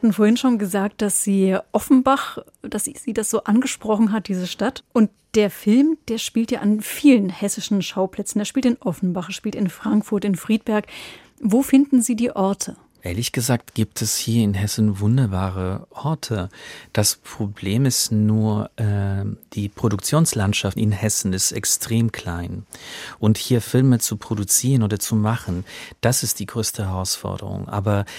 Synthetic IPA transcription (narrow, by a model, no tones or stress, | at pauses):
hatn̩foːɐhɪnʃoːnɡəzaːk̚t̚d̥asz̥iːʔɔfn̩baχ | d̥asz̥iːdasz̥oːʔanɡəʃpʁ̥ɔχn̩ɦat̚d̥iːzəʃtatʔʊnt | d̥eːɐfɪlmd̥eːɐʃpiːltjaːʔanfiːlənhɛsɪʃn̩ʃaʊpl̥ɛt͡sn̩deːɐʃpiːltɪnʔɔfn̩baχʃpiːltɪnfʁ̥aŋkfʊɐtɪnfʁ̥iːt̚b̥ɛɐk | voːfɪndn̩ziːdiːʔɔɐtʰə | ʔeːɐlɪçɡ̥əzaːk̚tɡ̥iːp̚tʰɛshiːɐɪnɦɛsn̩vʊndɐbaːʁəʔɔɐtʰəd̥aspʁ̥obleːmɪstnuːɐʔɛːd̥iːpʁ̥odʊkt͡sjoːnslantʃaftɪ̰nhɛsn̩ɪstɛ̰kstʁ̥eːmkʰl̥aɪnʔʊnthiːɐfɪlmət͡supʁ̥odut͡siːʁənoːdɐt͡sumaχn̩d̥asɪst̚d̥iːɡʁøːstəhɛʁaʊsfɔ̰ɐdə̰ʁʊ̰ŋʔa̰ːbɐ